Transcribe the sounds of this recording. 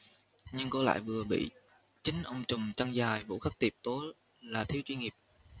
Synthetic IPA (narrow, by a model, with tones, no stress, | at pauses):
ɲɨ˧ŋkɔ˨˦la̰ː˧˨jvɨ˨˩əɓḭ˧˨ | t͡ɕï˨˦ŋ̟ʔə˧wŋ͡mt͡ɕʊ˨˩ŋ͡mt͡ɕa˧ŋzaː˨˩jvṵ˧˥xa˦˥k̚t̪i˨˩p̚t̪o˨˦ | laː˨˩t̪ʰi˨˦wt͡ɕwi˧ŋi˨˩əp̚